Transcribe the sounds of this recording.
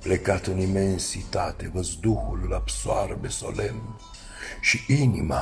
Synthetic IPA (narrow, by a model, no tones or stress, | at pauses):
plekat̪ɨnimensit̪at̪evəzd̪uhullabsoaɾbeso̰lɛm | ʃiinima